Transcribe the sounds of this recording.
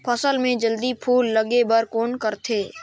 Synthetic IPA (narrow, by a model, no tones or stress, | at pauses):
pʰəsəlmẽd͡ʒəld̪ipʰuːlːɐɡebəɾkoːnkəɾt̪ʰeː